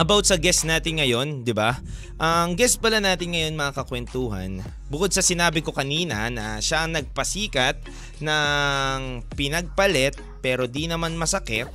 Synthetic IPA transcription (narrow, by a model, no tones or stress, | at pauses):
ʔɐbawt̪̚sɐɡɛst̪naːt̪ɪnŋɐjo̞nd̪ɪba | ʔɐŋɡɛs̚pɐlɐnaːt̪ɪnŋɐjo̞nmɐŋakɐkwɛnt̪uːɦɐ̰n | bʊkod̪̚sɐsɪnaːbɪko̞kɐniːnɐ̰nɐʃaʔɐŋnɐɡ̚pɐsiːkɐt̪̚ | nɐŋpɪnɐɡ̚pɐlɛt̪̚pɛːɾo̞d̪inɐmanmɐsɐkɪt̪̚